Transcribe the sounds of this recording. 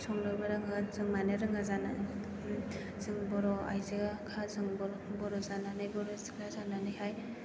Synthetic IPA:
sɔŋnɯbaɾɯŋazɯŋmanɯɾɯŋazana | zɯŋbɔɾɔa̰jziɡakʰazɯŋbɔɾ | bɔɾɔzananɯjbɔɾɔzɯkɾazananɯjɦaj

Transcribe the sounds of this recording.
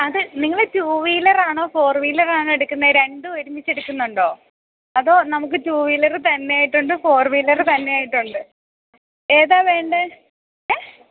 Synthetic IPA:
ɐðɨniŋːɐɭɨtuːʋiːlɐraːɳo̞ːfo̞ːrʋiːlɐraːɳoeɽukːunːɐɾe̞ɳɖɨoɾumːit͡ɕːeɽukːunːuɳɖo̞ː | ɐðo̞ːnɐmuk̬ːɨtuːʋiːlɐrɨt̪ɐnːe̞jaːjiʈːuɳɖɨfo̞ːrʋiːlɐrɨt̪ɐnːe̞jaːjiʈːuɳɖɨ | eːðaːʋeːɳɖɨ | e

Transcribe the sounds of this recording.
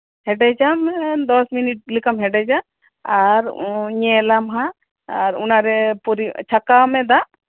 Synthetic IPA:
hɛɖed͡ʒamd̪ɔsminiʈ̚likamɦɛɖɛd͡ʒaː | ɾɲelamɦa | ɾṵnaɾepuɾit͡ʃʰɐkamɛ̃d̪aʔ

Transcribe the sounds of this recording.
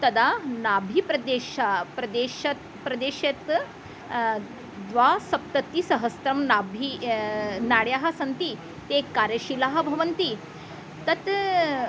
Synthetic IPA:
t̪ɐd̪anabʱipɾɐd̪eɕapɾɐd̪eɕɐt̪ | pɾɐd̪eɕɐt̪ | d̪ʋasɐp̚t̪ət̪ːisɐɦəst̪ɾɐmnabʱi | naɽjaɦɐsɐnt̪i | t̪ekaɾjəɕilaɦɐbʱɐʋənt̪i | t̪ɐt̪

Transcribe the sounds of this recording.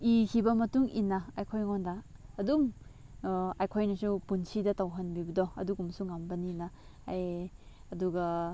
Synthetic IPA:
ikʰibɐmɐtuŋinɐajkʰojŋondaːduŋ | ajkʰojnɐsupunsidɐtawɦɐnbibɐdɔɐ̰duɡumsuŋambɐnina | jɐduɡɐ

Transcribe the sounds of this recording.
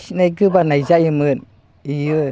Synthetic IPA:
najɡɯbanajzajɯmɯn | ijɯ

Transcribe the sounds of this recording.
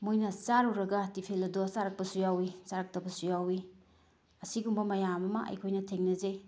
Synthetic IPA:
mojnɐt͡ʃaɾɔwɾɐɡɐtipʰelɐdosaɾɐk̚pɐsujawisaɾɐk̚tɐbɐsujawi | ɐsiɡumbɐmɐjamɐmɐ̰ʔɐ̰jkʰojnɐtʰeŋnɐzej

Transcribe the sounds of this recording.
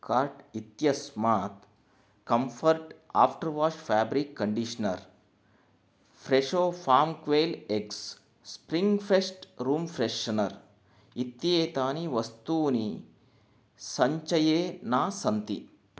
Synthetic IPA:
kaːɾʈit̪jɐsmaːt̪ | kɐmfʰɐɾʈa̰ːfʈɐɾʋaːʂfæːbɾikːɐɳɖiʃɐnɐ̰ɾ | fʰɾeʂoːfʰaːɾmkʋeːleks | spɾiŋɡfesʈɾuːmfɾeʃːɐnɐɾ | it̪jeːt̪aːniʋɐst̪uːni | sɐɲt͡ʃɐjeːnaːsɐnt̪ḭ

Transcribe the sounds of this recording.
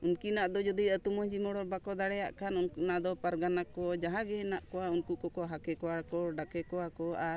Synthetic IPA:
unkinaʔd̪ɔd͡ʒɔd̪iət̪umɔd͡ʒimɔɽɔɾbakɔd̪aɽɛjaʔkanunkunad̪ɔpaɾɡanakɔd͡ʒaɦãɡɛnaʔkɔwaunkukɔkɔɦakɛkɔwakɔɖakɛkɔwakɔaɾ

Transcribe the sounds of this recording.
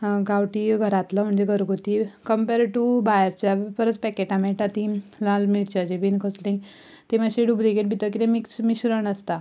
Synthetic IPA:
ɡawʈiɡʱəɾat̪ləm̤əɳd͡zeɡʱəɾɡʱot̪ikəmpeɾʈubajɾt͡ɕjapəɾət͡spɛkeʈãmeʈat̪ĩlãlmiʈt͡ɕad͡ʑebinkʰəslĩ | t̪emaɕeɖublikeʈ̚bʱit̪ək̬it̪ẽmiksmiɕuɾəɳəst̪a

